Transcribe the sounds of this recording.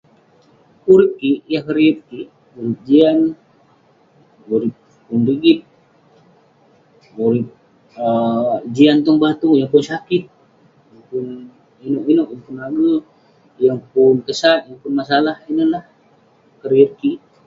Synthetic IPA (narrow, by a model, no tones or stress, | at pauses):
uɾɪp̚kiʔjahkəɾiur̚kiʔ | muɾɪp̚d͡ʒian | ɡuɾip̚ːunriɡit̪̚ | uɾip̚ | əd͡ʒiant̪ɔŋbat̪uŋjaŋpʊnsakɪt̪̚ | jaŋpun | inoʔinoʔjaŋpunaɡə | jaŋpʊnkəsat̪̚jaŋpʊnmas̬alahinəlah | kəɾir̚kiʔ